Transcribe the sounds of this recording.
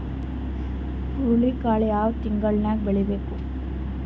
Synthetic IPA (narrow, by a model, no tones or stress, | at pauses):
uɾɭikaːɭijaːʋt̪iŋɡɐɭnaːɡ̚beɭibeːku